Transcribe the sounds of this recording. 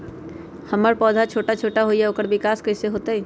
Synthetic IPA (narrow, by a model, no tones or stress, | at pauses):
hɐməɾpɔːd̪ʱat͡ʃʰoːʈat͡ʃʰoːʈaɦoːjaoːkəɾbɪkaːskəɪseɦoːt̪aɦɛː